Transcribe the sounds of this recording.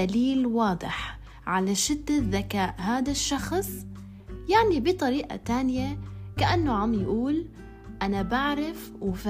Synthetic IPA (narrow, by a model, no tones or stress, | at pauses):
aliːlwɑːd̪ˤɨ̰ħ | ʕalaʃɪd̪ːaðːakaːʔɦaːd̪aʃːɑxsˤ | jaʕnibit̪ˤɑɾiːʔa̰t̪aːnɪjakaʔanːoʕamjʔuːl | ʔanabaʕɾaf | wɪf